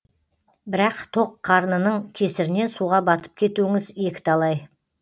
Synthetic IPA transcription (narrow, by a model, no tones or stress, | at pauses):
bɪɾɑqt̪ʰo̞qʰːɑɾnənəɴkʲʰe̞sɪɾɪne̞nsuʁɑbɑt̪ə̥p̚kʲʰe̞t̪uɪŋɪzje̞kʲɪ̥t̪ʰɑlˠɑj